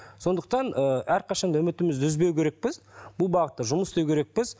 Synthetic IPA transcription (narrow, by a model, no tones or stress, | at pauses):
so̞nd̪əq̚t̪ɑnəæɾqʰɑʃɑnd̪ʊmɪt̪ɪmɪzd̪ɪʏzbe̞wkʲʰe̞ɾek̚pɪzbʊlˠbɑʁət̪ːəʒʊməsst̪ewkʲʰe̞ɾe̞k̚pɪz